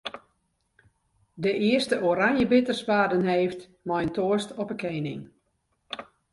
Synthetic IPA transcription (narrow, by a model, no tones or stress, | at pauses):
dəʔɪəstəʔoɾaŋjəbɪtərsʋaːdənheːft | mɔjəntoəstɔpəkʰejnɪ̰ŋ